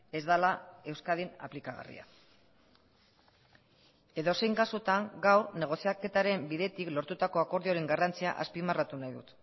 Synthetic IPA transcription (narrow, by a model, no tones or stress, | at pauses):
e̞zd̪alae̞wskaðina̰plikaɣa̰rḭa̰ | e̞ðo̞se̞jŋɡasut̪aŋɡawɾne̞ɣ̞o̞siake̞t̪aɾe̞mbiðe̞t̪iklo̞ɾt̪ut̪ako̞ako̞ɾðioɾe̞ŋɡarant͡sia̰ʔaspimarat̪unajðṵt̪